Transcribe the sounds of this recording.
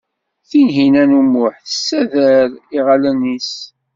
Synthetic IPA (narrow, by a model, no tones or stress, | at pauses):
θinɦinænumʊħθəsːæðəɾiʁalænis